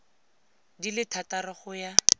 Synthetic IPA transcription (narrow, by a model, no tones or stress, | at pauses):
dilɪtʰataɾɔχʊja